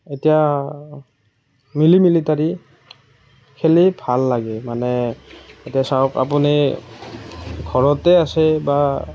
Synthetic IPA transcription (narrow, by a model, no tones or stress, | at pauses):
etija | milimilitaɹi | kʰelibʱalːaɡɛmanɛetijasawka̰puni | ɡʱɔɹɔtɛasɛba